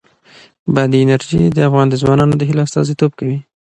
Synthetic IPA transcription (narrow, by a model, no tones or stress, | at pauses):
bad̪iɪnaɾʒid̪əafɣɑnd̪əzwɑnɑnod̪əɦiloast̪ɑ̰zit̪obkawi